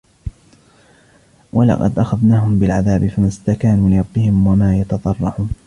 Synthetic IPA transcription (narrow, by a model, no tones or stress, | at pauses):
wʔalɑ̰qɑ̰d̪ʔaxaðnaːɦʊmbɪlʕaðaːbɪfamast̪akaːnuːlɪɾˤɑbːɪhɪmwamaːjɑt̪ɑt̪ˤɑrˤːɑʕuːn